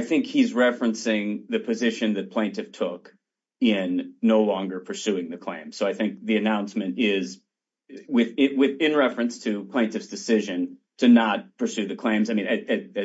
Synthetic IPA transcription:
ɪθɪ̃ŋkhizɹɛfɹɨ̃nsɪ̃ŋðɨpʰɨzɪʃɨ̃nðɨt̚pʰl̥ẽɪ̃ntɨftʰʊk | ɪ̃nːoʊlɔ̃ŋɡə˞pʰə˞sʉɪ̃ŋðɨkʰl̥ḛ̃ɪ̃mz̥soʊaɪθɪ̃ŋk̚ðiɨnãʊ̃nsmɨ̃ntɪz | wɪðɪwɪðɪ̃nɹɛfɹɨ̃nstʰɨpʰl̥ẽɪ̃ntɨfsd̥ɨsɪʒɨ̃ntʰɨnət̚pʰə˞sʉðɨkʰl̥ẽɪ̃mzaɪmĩnaɨɨ

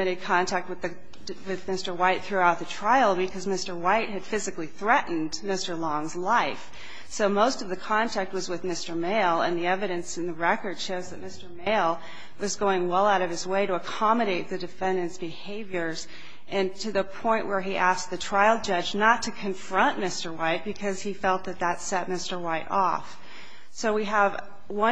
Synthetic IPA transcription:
ɨɾɨd̚kʰɑ̃ntʰæk̚t̚wɨðɨ | wɪðmɪstə˞waɪt̪̚θɹʉaʊt̪̚ðɨtʰɹ̥aɪl̩ˠbɨkʰʌzmɪstə˞waɪt̚ɦɨd̥fɪzɨkliθɹɛʔn̩dmɪstə˞lɔ̃ŋzlaɪf | soʊmoʊstʌvðɨkʰɑ̃ntʰæk̚t̚wʌzwɨðmɪstə˞meɪlˠə̃nðiɛvɨɾɨ̃nsɨ̃n̩ðɨɹɛkə˞d̥ʃoʊzðɨt̚mɪstə˞meɪlˠ | wʌzɡoʊɪ̃ŋwɛlˠaʊɾʌv̥ɨzweɪɾɨəkʰɑmɨɾeɪt̪̚ðɨdɨfɛ̃ndɨ̃nsb̥ɨheɪvjə˞z̥ | ʔɨ̃ntʰɨðɨpʰɔ̃ɪ̃nʔwʔə˞iʔæsk̚ðɨtʰɹ̥aɪlˠd͡ʒʌd͡ʒnətʰɨkʰɨ̃ɱfɹʌ̃nʔmɪstə˞waɪt̚b̥ɨkʰʌz̥ifɛlˠt̪̚ðɨt̪̚ðətsɛt̚mɪstə˞waɪɾʔɔ̰f | soʊwiəv | wʌ̃

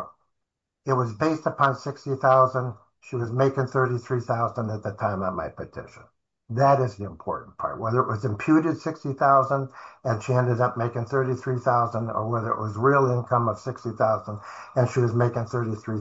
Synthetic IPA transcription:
ɨt̚wʌzbeɪstəpʰɑ̃nsɪkstiθaʊzə̃nd | ʃiwʌzmeɪkɨ̃nθɜ˞ɾiθɹiθaʊzə̃ndɨt̪̚ðɨtʰãɪ̃mamaɪpʰɨtʰɪ̰ʃɨ̃n̩ | ðɨɾɨzðiɨ̃mpʰɔ̰ɹʔn̩pʰɑ̰ɹʔ̚wɛðə˞ɨʔwʌzɨ̃mpʰj̥ʉɾɨd̥sɪkstiθaʊzə̃ndɨ̃nʃiɛ̃ndɨɾʌp̚meɪkɪ̃ŋθɜ˞ɾiθɹiθaʊzə̃ndə̰˞wɛðə˞ɨ̰ʔwʌzɹɪlˠɪ̃nkʰʌ̃mʌv̥sɪkstiθaʊzə̃ndɨ̃nʃiwʌzmeɪkɨ̃nθɜ˞ɾiθɹi

